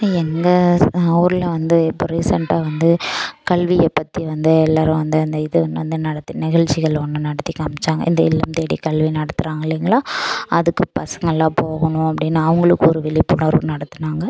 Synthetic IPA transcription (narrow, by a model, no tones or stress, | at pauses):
ɛŋɡɐɐuːɾɯlɐʋɐnd̪ɯɛpːɔɾisɐɳʈaːʋɐnd̪ɯkɐɭʋiɛpːɐt̪ːiʋɐnd̪ɯɛlːaːɾʊ̃ʋɐnd̪ɯɐnd̪ɯɪðɯɐnd̪ɯʋɐnd̪ɯnɐɽɐt̪ːɯnɪɣɐɭt͡ʃːɪɣɐɭɔnːɯnɐɽɐt̪ːikːɐmɪt͡ʃːaːŋɡɐ̰ʔɪnd̪ɐɪ̰lːɐmt̪eːɽḭkɐɭʋinɐɽɐt̪ːɯɾaːŋɡɐɪlːiŋɡɐɭaːɐðɯkːɯpɐsɐŋɡɐɭːãːpoːɣɐɳʊ̃ɐpːɐɽɪnːaɐʋɐŋɡɐɭɯkːɯɔɾɯʋɪɭɪpːʊnɐɾʋɯnɐɽɐt̪ːɯnaːŋɡɐ